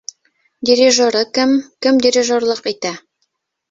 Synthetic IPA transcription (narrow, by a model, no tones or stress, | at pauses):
dʲɪɾʲiʒoɾɤkɘmkɘmdʲɪɾʲɪʒorlˠɤqit̪æ